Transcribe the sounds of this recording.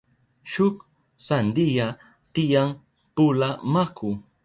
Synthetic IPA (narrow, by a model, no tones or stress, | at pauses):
ʃʊk | sand̪ija | t̪ɪjaŋ | pʊlamakʰʊ